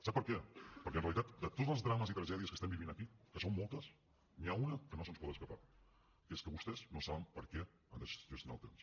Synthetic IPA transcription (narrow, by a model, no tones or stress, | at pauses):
sapːəɾkɛpəɾkɛnreəlit̪at̪d̪ət̪od͡zzəlˠzðɾaməzit̪ɾəʒɛðiəskəst̪ɛmbiβinəkikəsommːɔlˠt̪əs | niaunəkənosənspɔt̪əskəpa | keskəβust̪ɛznosaβəmpəɾkɛ | and̪əʒəsinalˠt̪ems